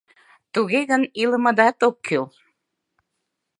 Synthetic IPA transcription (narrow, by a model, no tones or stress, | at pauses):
t̪uɣeɣənilə̆mə̆d̪æt̪okʰːyl